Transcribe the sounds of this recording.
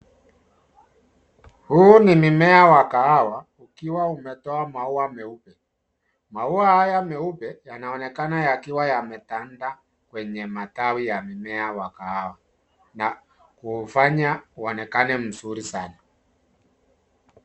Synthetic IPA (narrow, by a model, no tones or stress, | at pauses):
huːnimimɛawakaawa | ukiwaumɛtɔamauamɛupɛ | mauahajamɛupɛjanaɔnɛkanajakiwajamɛtanda | kwɛɲɛmatawijamimɛawakaawa | na | kuːfaɲauɔnɛkanɛm̩suɾisana